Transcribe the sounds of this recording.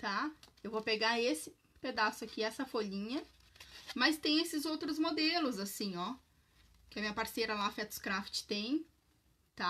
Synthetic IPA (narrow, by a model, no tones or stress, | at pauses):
t̪aewvopeɡaɾesɪ | ped̪asʊakiɛsɐfoʎĩɲɐ | mɐst̪ẽj̃esɪzowt̪ɾʊzmod̪elʊzasĩɔ | kʲɪɐmĩɲɐpaɾseɾɐlafɛt̪ʊ̥skɾaft͡ʃɪ̥t̪ẽj̃ | t̪a